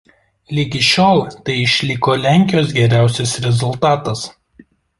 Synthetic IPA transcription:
lʲɪɡʲɪʃʲoːlˠt̪ɐɪɪʃʲlʲɪkoːlʲæːˑŋʲkʲɪjoːsɡʲɛɾʲæˑʊsʲɪsɾʲɛzʊlˠt̪ɑːt̪ɐs

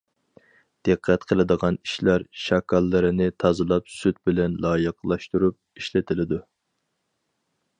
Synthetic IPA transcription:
d̪̥ɨqʰːɛt̪qʰəlˠɨd̪əʁɑni̥ʃlɑɾʃɑkʰɑlˠːɨɾɪnɪt̪ʰɑzɨlˠɑpsyt̪̚bɪlɛnlˠɑːjəqlˠɑʃt̪uɾup̚iʃlɪt̪ʰɪlɪd̪u

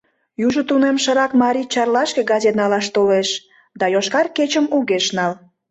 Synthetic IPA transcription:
juʒət̪unemʃəɾɑkmɑɾit͡ɕɑrlɑʃkeɡɑzʲet̪nɑlɑʃt̪oleʃ | d̪ɑjoʃkɑrket͡ɕəmuɣeʃnɑl

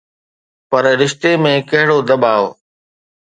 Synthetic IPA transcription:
pɐɾɾɪʃt̪emẽkɐɦɪɽod̪ɐbaːo

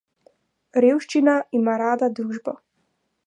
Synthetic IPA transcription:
ɾeːwʃt͡ʃinaimaɾaːd̪ad̪ɾuːʒbɔ

